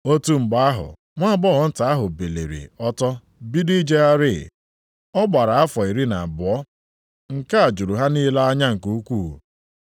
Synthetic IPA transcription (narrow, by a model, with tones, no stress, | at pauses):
o˦tu˦ŋ͡m̩˨ɡ͡ba˨a˦ɦʊ̰˨ | ŋʷa˦bɔ˦ɣɔ˨n̩˦ta˨a˦ɦʊ˨be˨lḛ˨ɾḭ˨ɔ˦tɔ˦ | bi˦di˦d͡ʒe˦a˦ɾɪ˦˨ | ɔ˦ɡ͡ba˨ɾa˨a˦fɔ˨i˨ɾi˦na˨bʊ˨ɔ˦ | ŋ̩˨ka˦a˨d͡ʒu˨ɾu˨ɦa˦niː˦la˦a˦ɲa˦ŋ̩˨ku˨u˦kʷu˦˨